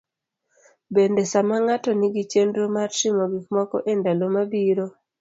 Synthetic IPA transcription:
bendesamaŋatɔnɪɡit͡ʃendɾomarʃɪmɔɡikmɔkɔ̰ʔendalomabiɾo

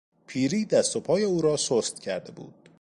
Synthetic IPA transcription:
pʰiːɾiːd̪æst̪o̞pʰɒːje̞uːɾɒːsost̪̚cʰæɾd̪e̞bṵːd̪̥

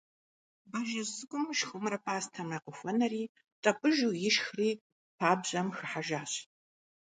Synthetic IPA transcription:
bɐʒɐzɨɡʷʼʊmʃxʷʊmrɐpʼaːstʰɐmrɐqəxʷɔnɐriː | tʼɐpʼɨʒuːjɪʃxriː | pʰaːbʑʼɐmxɨħaʒaːɕ

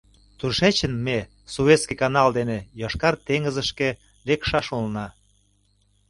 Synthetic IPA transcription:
t̪uʃet͡ɕənme | suβeskikɑnɑld̪enejɑʃkɑrt̪eŋəzəʃke | lekʃɑʃulnɑ

